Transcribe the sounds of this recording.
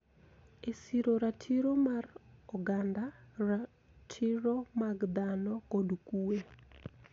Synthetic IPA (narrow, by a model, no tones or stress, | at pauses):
esiɾoɾatʰiɾomarɔɡandara | tʰiɾomaɡd̪anɔkodkue